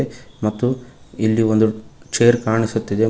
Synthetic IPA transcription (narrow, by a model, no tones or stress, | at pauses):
emɐt̪ːuilːio̞nd̪ut͡ʃeːɐɾkaːɳisut̪ːid̪e̞